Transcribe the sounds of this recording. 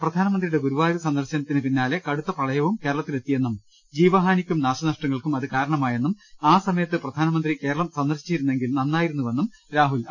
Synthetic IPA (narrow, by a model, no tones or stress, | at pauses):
prɐd̪ʱaːnɐmɐnd̪rijuɽe̞ɡuɾuʋaːɾusɐnd̪ɐrɕɐnɐt̪ːinɨpinːaːlekɐɽut̪ːɐpɐɭɐjɐʋumke̞ːɾɐɭɐt̪ːile̞t̪ːije̞nːum | d͡ʑiːʋɐɦaːnikʲːumnaːɕɐnɐʂʈrɐŋːɐɭkumɐðɨkaːɾɐɳɐmaːjenːumaːsɐmɐjɐt̪ːɨprɐd̪ʱaːnɐmɐnd̪rike̞ːɾɐɭɐmsɐnd̪ɐrɕi̥t͡ɕːiɾunːeŋɡilnɐnːaːjiɾunːuʋe̞nːum | ɾaːɦul